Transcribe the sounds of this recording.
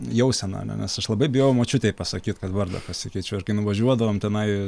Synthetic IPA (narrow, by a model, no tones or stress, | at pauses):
jɛʊsʲɛnɐ̰ɐ̰nʲɛ̰nʲɛsɐʃlˠɐbɐɪbʲɪjojʊmoːt͡ʃʲʊt̪ʲɛɪpɐsɐkʲiːt̪kɐt̪ʋɐrd̪ɐ̰pɐsʲɪkʲɛɪt͡ʃʲɛʊɪɾkɐɪnʊʋɐʒʲuɔd̪ɐʋoːmt̪ʲɛnɐɪ